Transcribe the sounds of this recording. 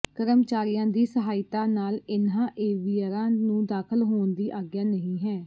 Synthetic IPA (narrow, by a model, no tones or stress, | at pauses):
kəɾəmt͡ʃaːɾɪjãːd̪iːsəɦaːɪt̪aːnaːlɪnãːʔeːʋiːəɾãːnũːd̪aːkʰəlɦoːnd̪iːʔaːɡjaːnəɦĩːɦɛː